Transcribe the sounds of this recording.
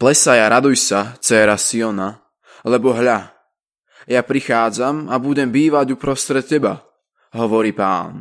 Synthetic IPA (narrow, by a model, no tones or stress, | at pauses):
plɛsajaɾad̪ujsat͡sɛːɾasiɔna | lɛbɔɦʎa | japɾixaːd͡zamabuɟɛmbiːʋaɟupɾɔst̪ɾɛt̪̚cɛba̰ | ɦɔʋɔɾiːpa̰ːn